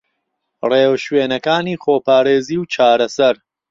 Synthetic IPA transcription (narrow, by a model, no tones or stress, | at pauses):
reːwʃweːnɐkaːniːxoːpaːɾeːziːwt͡ʃʰaːɾɐsɐɾ